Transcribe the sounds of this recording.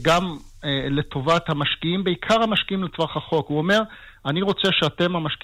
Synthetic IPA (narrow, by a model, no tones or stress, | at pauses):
ɡam | ele̞to̞vat̪hamaʃkiimbeikʰaʁhamaʃkiimlet͡svaχaχo̞kuome̞ʁ | aniʁo̞t͡se̞ʃeate̞mamaʃk